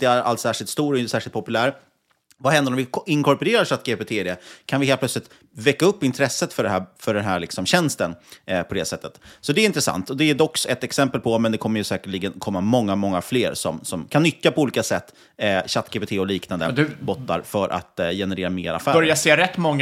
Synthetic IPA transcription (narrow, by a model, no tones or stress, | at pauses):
d̪̥ɛæɾa̰lt̪sæːʂɪlt̪st̪uːɾɔɪnəsæːʂlt̪pɔpɵlæːɾ | vaɦɛnd̪əɾɔmvɪɪŋkʰɔɾpɵɾeːɾaɕat̪̚ːɡeːpet̪ʰeːɪd̪ɛkʰanvɪɦelpʰlœt̪slɪt̪ | vɛkːaɵpːɪnt̪ʰɾɛsːət̪fœɖɛɦæːfœɖɛnɦæːɾɭɪksɔmɕɛnst̪ənpʰɔd̪ɛsɛt̪ːət̪sɔd̪ɛɪnt̪ɾəsa̰nt̪ɔd̪ɛd̪ɔksɛt̪ɛksɛmpəlpʰɔmɛnd̪ɛkʰɔmːəɾjɵsɛːkəɭiːɡənkʰɔmːamɔŋːamɔŋːafleːɾsɔmsɔmkʰanːʏkːapʰɔuːliːkasɛt̪ː | ɕat̪ːɡeːpet̪ʰeːɔliːknand̪ə̰d̪ʉbɔt̪ːa̰ɾfœɾʔa̰t̪jɛnɛɾeːɾameːɾa̰fæːbœɾjaseːɾɛt̪ːmɔŋː